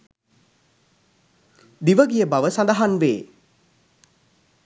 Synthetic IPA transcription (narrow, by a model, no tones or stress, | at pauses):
d̪iʋəɡijəbaʋəsand̪aɦanʋeː